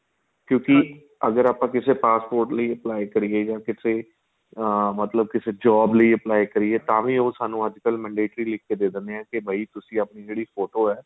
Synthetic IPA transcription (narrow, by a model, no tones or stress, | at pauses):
kjõːkɪ | əɡəɾaːpãːkɪseːpaːspoːɾʈləiːəplaːikəɾieːd͡ʒãːkɪseː | mət̪ləb̚kɪseːd͡ʒɔːbləiːəplaːikəɾiːɛːt̪ãːʋĩːoːsaːnũːəd͡ʒkəlmə̃ːɳɖeːʈɾiːlɪkʰːeːd̪eːd̪əneɛ̃ːkɪbʱəiːt̪ʊsĩːaːpniːd͡ʒeːɽiːpʰoːʈoːɛː